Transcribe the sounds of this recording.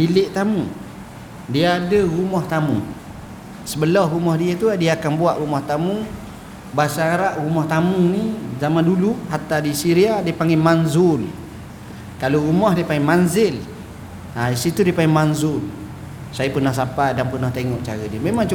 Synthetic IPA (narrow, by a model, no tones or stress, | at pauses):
bilɪʔt̪amu | diaadəɾumɔht̪amṵ | səbəlɔɦrumɔhdiət̪uadiaːkanbuaʔɾumɔht̪amu | basaːɾaʔɾumɔht̪amunizamanduluɦat̪adisiɾiadiəpaŋɡemanzʊl | kaloɾumɔhdiəpaŋɡemanzɪl | aisit̪udiəpaŋɡemanzʊl | sajapərnahsapadanpərnaht̪eŋɔʔt͡ʃaɾədiəmemaŋt͡ʃ